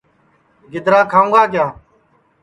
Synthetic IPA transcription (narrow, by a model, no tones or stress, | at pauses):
ɡɪd̪ɾaːkʰãːũːɡaːk̬jaː